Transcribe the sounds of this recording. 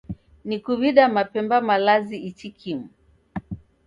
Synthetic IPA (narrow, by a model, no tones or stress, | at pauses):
nikuβiɗamapɛmbamalaziit͡ʃikʰimu